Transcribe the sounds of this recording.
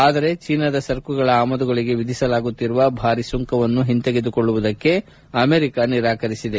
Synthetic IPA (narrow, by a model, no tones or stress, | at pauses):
aːd̪ɐɾe̞t͡ʃiːnɐd̪ɐsɐɾkuɡɐɭɐaːmɐd̪uɡɐɭiɡe̞ʋid̪ʱisɐlaːɡut̪ːiɾuʋɐbʱaːɾisuŋkɐʋɐnːuɦint̪eɡed̪ukoɭːuʋud̪ɐkːe̞ | ɐmeːɾikɐniɾaːkɐɾisid̪e̞